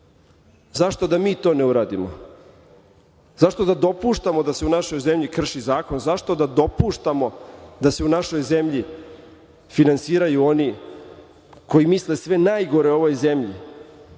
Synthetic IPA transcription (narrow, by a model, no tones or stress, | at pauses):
zaʃt̪o̞d̪amiːt̪o̞ːneuɾaːd̪imo̰ | zaʃt̪o̞d̪ad̪o̞puʃt̪amo̞d̪ase̞unaʃo̞jze̞mʎikr̩ʃizaːko̞nzaʃt̪o̞d̪ad̪o̞puʃt̪amo̞d̪aseunaʃo̞jze̞mʎi | finansiːɾajuo̞ni | ko̞jimisle̞sʋe̞najɡo̞ɾe̞o̞ʋo̞jze̞mʎḭ